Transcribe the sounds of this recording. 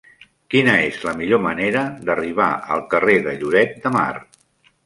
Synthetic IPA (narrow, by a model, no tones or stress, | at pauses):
kinəezləmiʎoməneɾəd̪əriβ̞a̰ə̰lˠkəreðə̰ʎuɾɛt̪̚d̪əma̰r